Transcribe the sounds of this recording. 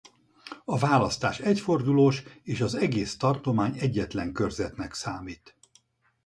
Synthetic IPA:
ɒvaːlɒst̪a̰ːʃɛcfo̞rd̪uloːʃeːʃɒzɛɡeːst̪ɒrt̪o̞maːɲɛɟːɛt̪lɛŋkø̞rzɛt̪nɛksaːmiːt̪

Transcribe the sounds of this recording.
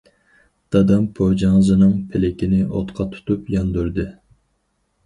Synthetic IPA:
d̪̥ɑd̪ɑmpʰod͡ʒɑŋzɨnɨŋpʰelɪkʲinɪʔo̰t̪qʰɑt̪ʰu̥t̪upjɑnd̪uɾd̪ɨ

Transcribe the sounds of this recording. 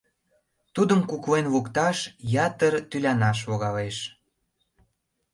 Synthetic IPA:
t̪ud̪əmkuklenβukt̪ɑʃjɑt̪ərt̪ylʲɑnɑʃ̬βoɣɑleʃ

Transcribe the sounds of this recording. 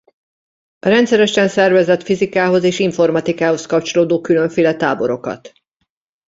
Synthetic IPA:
ɒɾɛnt̪sɛɾɛʃɛnsɛrvɛzɛt̪fizikaːɦo̞zeːʃiɱfo̞rmɒt̪ikaːɦo̞skɒpt͡ʃo̞loːd̪oːkylø̞ɱfeːlɛt̪aːbo̞ɾo̞kɒ̰t̪

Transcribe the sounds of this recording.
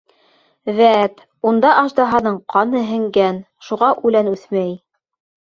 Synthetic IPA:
ðæt̪ | und̪ɑʔɑʒd̪ɑɦɑnɤɴqɑnɤɦɘ̆ŋɡæn | ʃuʁɑʔʉlænʉθmæj

